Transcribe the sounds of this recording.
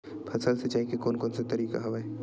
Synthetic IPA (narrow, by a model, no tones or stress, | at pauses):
pʰɐsəlset͡ʃaːɦikekoːnkɔːnset̪ɐɾiːka̰ɦɐʋaːe